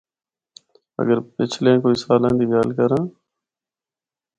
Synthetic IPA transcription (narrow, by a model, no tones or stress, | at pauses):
ə̰ɡəɾpɪt͡ʃʰlẽːkoːiːsaːlãːnd̪iːɡaːlkəɾãː